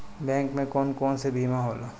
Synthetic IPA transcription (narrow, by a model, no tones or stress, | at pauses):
bɛ̃ːŋkmẽkɔːnkɔːnsebʱiːmãɦoːloː